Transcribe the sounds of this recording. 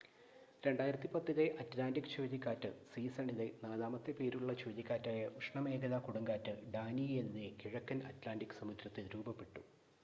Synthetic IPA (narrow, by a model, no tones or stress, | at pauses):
ɾe̞ɳɖaːjiɾɐt̪ːipɐt̪ːɐðeʔɐtlaːnɖikːɨ̥t͡ɕoːðikʲːaːtːɨsiːsɐɳiðenaːðaːmɐt̪ːepe̞ːɾuɭːɐt͡ɕoːðikʲːaːtːaːjɐʔuʂɳɐme̞ːɡɐðɐkuɽɐŋɡaːtːɨɖaːnie̞nːɨkiɻɐkːɐnɐ̰tlaːnɖikːɨ̥sɐmud̪ɾɐt̪ːiɾuːbɐpːe̞ʈːu